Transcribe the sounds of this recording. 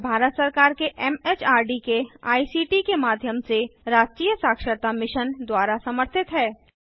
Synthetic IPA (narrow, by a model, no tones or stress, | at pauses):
bʱaːɾət̪səɾkaːɾkeʔɛːmeːt͡ʃaːɾɖikea̰ːisiːʈikemaːd̪ʱjəmseɾaːd͡ʒkiːjəsaːkʃəɾt̪amɪʃənd̪waːɾasɐməɾt̪ʰɪt̪ɦɛː